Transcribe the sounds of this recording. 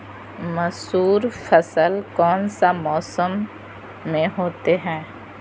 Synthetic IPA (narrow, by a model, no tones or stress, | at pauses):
mɐsuːɾfʰəsəlkɔːnsamɔːsəmː | ẽɦoːt̪eɦɛ̃ː